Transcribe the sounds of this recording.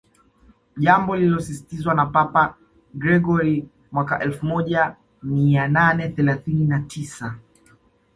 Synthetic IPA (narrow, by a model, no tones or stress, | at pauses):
ʄambɔlilɔsisi̥tizwanapapa | ɡɾɛɡɔɾi | mwaka̰ʔɛlfumɔʄa | miananɛθɛlaθininatʰisa